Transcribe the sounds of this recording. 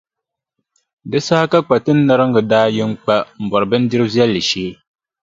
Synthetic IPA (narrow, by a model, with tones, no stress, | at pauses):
dɨ˦saː˦ka˦k͡pa˨tɨ˦nː˦a˦ɾɨ˦ŋ˦ɡɨ˨daː˦jɪ˦ŋk͡pa˦m̩˨bɔ˨ɾɨ˨bɨ˦n˦dɪ˦ɾɨ˦zɛ˦lːɨ˨ʃeː˦